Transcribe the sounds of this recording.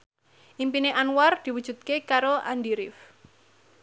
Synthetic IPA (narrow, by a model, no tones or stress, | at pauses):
ʔimpineʔanward̪̥i̤wud̥ʒ̥ṳt̪̚kekaɾoa̰ndiɾɪf